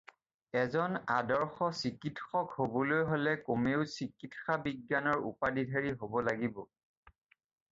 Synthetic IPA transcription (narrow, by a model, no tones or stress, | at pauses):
ɛzɔnadɔɹxɔsikitxɔkhobɔlojɦolɛkomeʊsikitxabiɡjanɔɹṵpadidʱaɹiɦobɔlaɡibɔ